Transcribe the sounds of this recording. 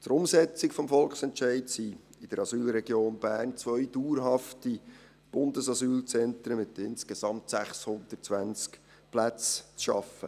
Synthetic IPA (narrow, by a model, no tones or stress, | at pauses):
təɾʊmsɛt͡sɪkfɔmfɔlksɛnt͡ʃɛɪtsi | ɪd̥əɾɑsyːlɾɛɡjoːnbæːrnt͡sʋœʏd̥uːɾɦɑfti | b̥ʊndəsɑsyːlt͡sɛnt̪ɾəmɪtɪnskesɑmtsæχshʊnd̪̥ət͡sʋænt͡sk | plæt͡st͡sʃɑ̰fə̰